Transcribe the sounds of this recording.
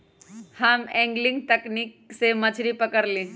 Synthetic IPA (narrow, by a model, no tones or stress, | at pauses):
hɐmɛ̃ːŋɡlɪ̃ŋɡ̚t̪ɛknik̚semɐt͡ʃʰɾipɐkəɾlẽː